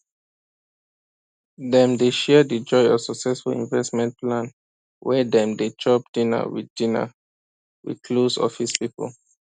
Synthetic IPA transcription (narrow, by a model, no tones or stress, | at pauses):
dɛ̃mdeʃɛdid͡ʒɔɪɔsɔksɛsfṵlḭ̃nvɛstmɛ̃nplãn | wɛdɛ̃mdet͡ʃɔp̚dĩna̰wḭddina̰ | wḭdkʰlosɔ̰fispipɔ̰l